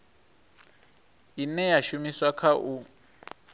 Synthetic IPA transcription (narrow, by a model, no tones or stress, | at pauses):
inɛjaʃumiswakʰaʔu